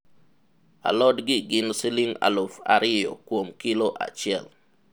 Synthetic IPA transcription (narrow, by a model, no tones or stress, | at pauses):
a̰lɔdɡɪɡɪnsɪliŋa̰lofa̰ɾɪjɔ̰kwomkɪloʔa̰t͡ʃɪɛl